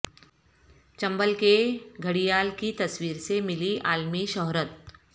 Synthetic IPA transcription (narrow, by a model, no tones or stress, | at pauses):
t͡ʃɐ̃mbəlkeɡʱəɽijaːlkit̪ɐswiːɾsemɪliaːlmiʃɔɦɾət̪̚